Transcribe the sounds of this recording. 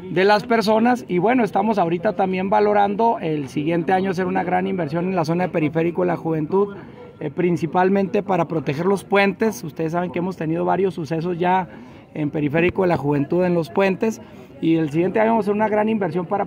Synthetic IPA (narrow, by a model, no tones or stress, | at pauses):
d̪e̞laspe̞ɾs̬o̞nasiβwe̞no̞e̞st̪amo̞s̬aoɾit̪at̪ambje̞mbalo̞ɾand̪o̞ʔelsiɣje̞nt̪e̞aɲo̞as̬e̞ɾunaɣɾanimbe̞ɾs̬jo̞ne̞nlas̬o̞naðepe̞ɾife̞ɾikoðelaxuβe̞nt̪uð | pɾinsipalmẽnt̪e̞paɾapɾo̞t̪exe̞ɾlo̞spwe̞nt̪e̞sust̪eðes̬ːaβ̞e̞ŋkee̞mo̞st̪e̞nið̞o̞βaɾjo̞sːuse̞s̬o̞zʝa | empe̞ɾife̞ɾiko̞ðelaxuβe̞nt̪uðe̞nlospwe̞nt̪e̞s | iels̬iɣje̞nt̪eaɲoase̞ɾunaɣɾanimbe̞ɾs̬jo̞mpaɾa